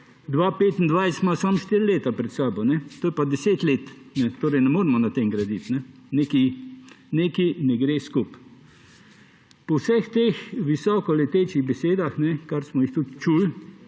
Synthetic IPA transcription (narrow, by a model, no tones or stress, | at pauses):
d̪ʋapeːt̪nd̪ʋajst̪masamʃt̪iɾleːt̪apɾɛt̪saːbɔnɛt̪oːjɛpad̪ɛseːt̪leːt̪nɛt̪oːɾɛjnɛmoːɾɛmɔnat̪eŋɡɾad̪it̪nɛ | neki | neːkinɛɡɾeskup | pɔwsɛxt̪exʋisɔːkɔlɛt̪eːt͡ʃiɣbɛseːd̪axnɛkaɾsmɔixt̪ut̪t͡ʃul